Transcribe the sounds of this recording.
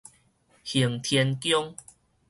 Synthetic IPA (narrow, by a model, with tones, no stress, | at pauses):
hi˨˩əŋt̪ʰjɛ˧nkjɔ˦ŋ